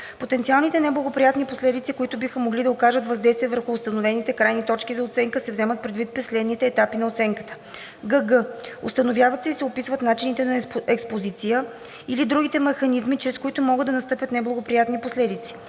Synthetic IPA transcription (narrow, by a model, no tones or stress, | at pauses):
pot̪ɛnt̪sialˠnit̪ɛnɛblˠɐɡopɾijat̪niposlɛd̪it̪sikoit̪ʊbixəmoɡlid̪ɐokaʒət̪vɐzd̪ɛjst̪viəvəɾxʊːst̪ɐnovɛnit̪ɛkɾajnit̪ɔt͡ʃkizɐot̪sɛŋkəsɛvzɛmət̪̚pɾɛd̪vit̪̚pɾɛslɛd̪nit̪ɛːt̪apinɐot̪sɛŋkə̥t̪ə̥ | ɡəɡəo̰st̪ɐnovʲjavət̪sɛisɛopisvət̪nat͡ʃinit̪ɛnɐɛkspozit̪sijə | ilid̪ɾuɡʲit̪ɛmɛxɐnizmit͡ʃɾɛskoit̪ʊmɔɡəd̪ːɐnɐst̪ɤpʲət̪nɛblˠɐɡopɾijat̪niposlɛd̪it̪si̥